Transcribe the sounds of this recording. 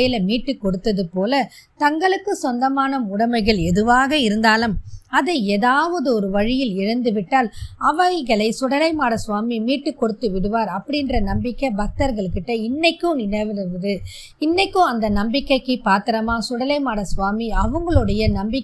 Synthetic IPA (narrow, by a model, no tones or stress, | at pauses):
jɪlɐmiːʈːɯkːɔɽɯt̪ːɐðɯpoːlɐt̪ɐŋɡɐɭɯkːɯsɔnd̪ɐmaːnɐʊɽɐmɐɪɣɐɭɛðɯʋaːɣɐɪɾɯnd̪aːlɯmɐðɐɪeːðaːʋɐðɯɔɾɯʋɐɻɪjɪlɪɻɐnd̪ɯʋɪʈːaːlɐʋɐɪɣɐɭɐɪsʊɽɐlɐɪmaːɽɐsʊʋaːmimiːʈːɯkːɔɽɯt̪ːɯʋɪɽɯʋaːɾɐpːɐɽɪndrɐnɐmbɪkːɐbɐk̚t̪ɐɾɣɐɭɯkːɯʈːɐɪnːɐɪkːɯnɪnɐʋɐðɯ | ɪnːɐɪkːɯ̃ɐnd̪ɐnɐmbɪkːɐɪkːɯpaːɾt̪ɪɾɐmaːsʊɽɐlɐɪmaːɽɐsʋaːmiɐʋɐŋɡɐɭɯɽɐjɐnɐmbɪk